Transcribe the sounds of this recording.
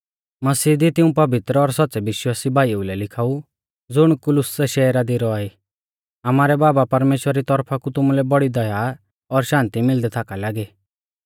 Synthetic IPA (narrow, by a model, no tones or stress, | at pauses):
mɐsiːd̪it̪ɪũpɐbɪt̪ɾəɔɾsɔt̪ːsɛʋɪʃwaːsibʱaːiulɛlɪkʰaːu | d͡zʊɽ̃kʊlʊsɛʃɛːɾad̪iɾɔaːi | amaːɾɛbaːbapɐɾmeːʃwəɾaɾit̪ɔɾpʰakut̪ʊmulɛbɔɽid̪ɐja | ɔɾʃãːnt̪imɪld̪ɛt̪ʰaːkalaːɡeː